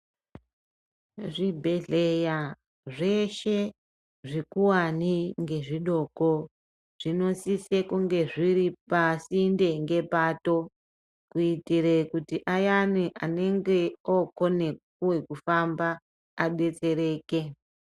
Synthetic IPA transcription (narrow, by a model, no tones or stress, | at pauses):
ʐibʱe̞ɮeja | ʐe̞ʃe̞ | ʐikuwaniŋɡe̞ʐiɗo̞ko̞ | ʐ̥ino̞sisekuŋɡe̞ʐiɾipasinde̞ŋɡe̞paːto̞ | kuitiɾekutiʔajaniʔane̞ŋɡe̞okone̞ | uwe̞kufambaː | ɓe̞t͡se̞ɾe̞ːke̞